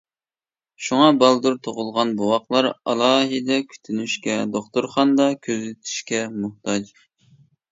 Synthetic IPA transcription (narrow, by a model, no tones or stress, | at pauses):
ʃuŋɑbɑlˠd̪uɾt̪ʰoʁʊlˠʁɑnbuwɑqlˠɑɾɑ̰lˠɑːɦɪd̪ɛkʲʰy̥t̪ʰynyʃkʲɛd̪oχt̪uɾχɑnd̪ɑkʲʰøzɪt̪ʰy̥ʃkʲɛmuht̪ʰɑd͡ʒ